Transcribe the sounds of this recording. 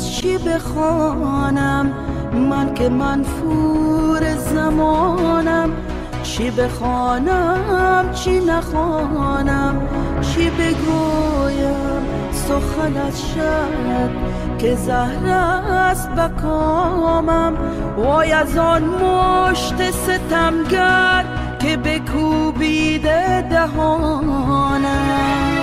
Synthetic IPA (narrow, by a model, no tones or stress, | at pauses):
t͡ʃʰibeχɔnamː | ankemanfuɾezamɔnam | t͡ʃʰibeχɔnamt͡ʃʰinaχɔnamt͡ʃʰibeɡoja | m | soxanazʃa | ɾad̪̚ | kezahɾast̪̚bakʰɔmam | wɔːjazɔnmoʃt̪eset̪amɡat̪̚ | kebekʰubid̪ed̪aɦɔ | na